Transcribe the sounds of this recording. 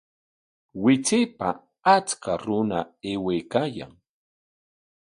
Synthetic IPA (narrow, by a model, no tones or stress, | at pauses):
wɪt͡sɪpa | at͡skaɾʊnaewejkaːja̰ŋ